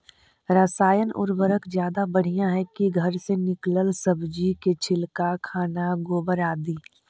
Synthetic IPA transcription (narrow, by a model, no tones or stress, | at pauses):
ɾəsaːjənʔʊ̰ɾʋəɾəkd͡ʒjaːd̪abɐɽ̤ijãɦɛkiɡʱəɾsenɪkləlsəbd͡ʒiket͡ʃʰɪlkakʰaːnaɡoːbəɾaːd̪iː